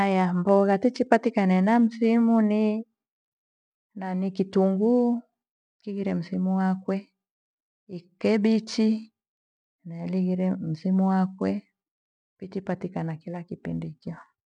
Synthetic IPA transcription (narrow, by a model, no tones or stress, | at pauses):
ajambɔɣatit͡ʃipatikanɛnam̩simuni | nanikituŋɡu | kiɣiɾɛm̩simuwakwɛ | ikɛbit͡ʃi | nailiɣiɾɛm̩simuwakwɛ | pit͡ʃipatikanakilakipḭndikɔ